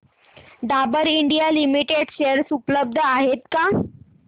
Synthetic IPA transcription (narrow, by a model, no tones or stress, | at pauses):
d̪abəɾiɳɖijalimiʈeɖɕeəɾsupləb̚d̪ʱəaɦet̪ka